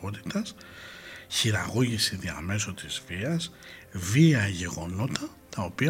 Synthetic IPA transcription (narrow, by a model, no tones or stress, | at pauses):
o̞t̪i̥t̪ɐs | çiɾɐ̰ɣo̞ʝisiðiɐ̰me̞so̞t̪izviɐsviɐʝe̞ɣo̞no̞t̪ɐ | t̪ɐo̞piɐ